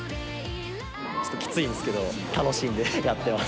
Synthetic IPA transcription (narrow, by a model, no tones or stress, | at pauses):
t͡ɕot̪ːokʲi̥t͡sɨĩnd̪esɨ̥ke̞d̪o̞ | t̪ano̞ɕĩnd̪e̞jat̪ːe̞ma